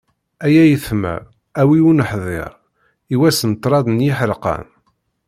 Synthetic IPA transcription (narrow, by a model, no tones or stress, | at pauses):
æjæjəθmæ̰ | æwiunəħðˤḛɾˤ | iwæsənt̪ˤːɾˤɑðnjiħɾqɑ̰n